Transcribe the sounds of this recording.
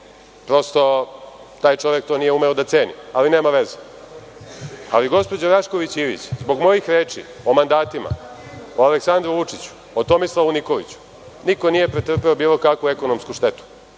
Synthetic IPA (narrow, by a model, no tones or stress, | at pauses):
pɾo̞st̪o̞ | t̪aːjt͡ʃo̞ʋje̞k̚t̪o̞ːnijeume̞od̪at̪se̞ːnḭaline̞ːmaʋe̞ze | a̰liɡo̞spo̞d͡ʑoɾaʃko̞ʋit͡ɕiʋḭt͡ɕzbo̞ɡmo̞jixɾeːt͡ʂḭ | o̞mand̪aːt̪ima̰oaleksand̪ɾuʋut͡ʂit͡ɕu̥ | ot̪omislˠaunikoʋḭt͡ɕu̥ | niko̞nijepɾet̪r̩peobiːlˠo̞kakʋueko̞nomskuʃt̪e̞t̪u̥